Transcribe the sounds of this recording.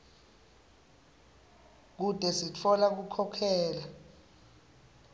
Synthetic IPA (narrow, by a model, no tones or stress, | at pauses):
k̬ud̥ʼʱɛsit͡fʰɔlak̬ukʰɔkʰɛːla